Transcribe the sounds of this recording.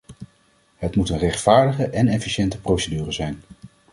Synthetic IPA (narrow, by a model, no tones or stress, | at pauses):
ɦətmutənrɛχtfaːɹdəχəʔɛnɛfiʃɛntəprowsədyːrəzɛjn